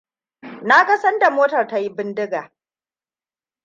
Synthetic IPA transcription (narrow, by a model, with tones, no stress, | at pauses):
na˦kɐ˦sɐ˦nda˨moː˦tɐ˨rta˦ji˦bɪ˦ndɪ˦ɡaː˨